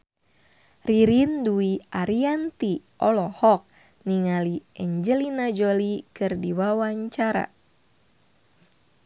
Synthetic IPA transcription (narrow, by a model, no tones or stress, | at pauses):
riɾinduiʔaɾiant̪iʔɔlɔhɔk̚ | niŋaliʔɛɲd͡ʒəlinad͡ʒolikɨrdiwawaɲt͡ʃaɾa̰